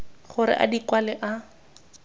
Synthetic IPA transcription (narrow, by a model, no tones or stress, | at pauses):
χʊɾɪ̰ʔa̰dikwalɛʔa